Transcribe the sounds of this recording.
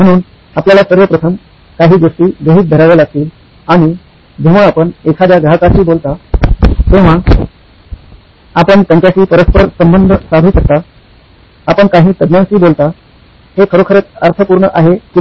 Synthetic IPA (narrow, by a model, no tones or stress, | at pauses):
m̤əɽ̃uːn | apljalasəɾʋəpɾət̪ʰəm | kaɦiːɡoʂʈiːɡəɦiːt̪̚d̪ʱəɾaʋlelaɡ̚t̪iːl | aɽ̃i | d͡ʑeʋ̤aːpəɳekʰad̪jaɡakat͡ɕiːbolt̪a | t̪eʋ̤a | apəɳt̪jãɲt͡ɕjat͡ɕiːpəɾəspəɾsəmbənd̪ʱəsab̪ʱuːɕək̚t̪a | apəɳkaɦiːt̪əd̪njãnt͡ɕiːbolt̪a | hekʰəɾokʰəɾət̪əɾt̪ʰəpuːɾɳəʔaɦeki